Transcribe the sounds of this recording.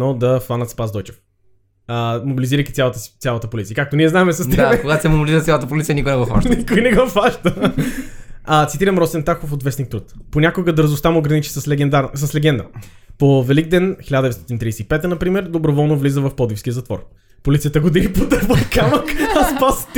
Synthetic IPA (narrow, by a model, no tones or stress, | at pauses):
nɔd̪ɐfvˠanɐt̪spazd̪ɔjt͡ʃɛ̥f | əmobiliziɾəjkʲi̥t̪sjalˠt̪ə̥t̪sʲalˠɐt̪əpolit̪siəkak̚t̪oniɛznaɛmɛsɐsd̪ɛakoɡat̪sɛmobiliiɾət̪sʲalˠət̪əpolit̪sijənikʊjnɛɡɔva̰ʃt̪nikʊjnɛɡɔfaʃt̪ə | ət̪sit̪iɾəmɾɔt̪sɛnt̪axofot̪vɛsnikt̪ɾut̪ponʲakoɡəd̪əɾzʊst̪amoːɡɾɐnit͡ʃi̥səslɛɛnd̪asɐslɛɡɛnd̪ə̰ | povɛliɡ̚d̪ɛnxilʲad̪ɛt̪ɔt̪int̪ɾijɛsɛipɛt̪ənɐpɾimɛɾd̪obɾovɔlˠnovlizəvɐfpɔd̪ifskʲiəzɐt̪vɔ̰ɾ | polit̪iət̪əɡod̪inipod̪əɾvəkaməkɐspast̪